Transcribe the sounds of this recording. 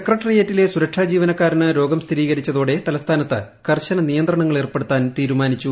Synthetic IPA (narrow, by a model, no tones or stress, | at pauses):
sekːrɐʈːɐrijeːtːile̞suɾɐkʂaːd͡ʑiːʋɐnɐkːaːɾinɨɾo̞ːɡɐmst̪ʰiɾiːɣɐɾit͡ɕːɐðoːɽe̞t̪ɐlɐst̪ʰaːnɐt̪ːɨ | kɐrɕɐnɐnijɐnd̪rɐɳɐŋːɐɭerpːeɽut̪ːaːnt̪iːɾumaːnit͡ɕːu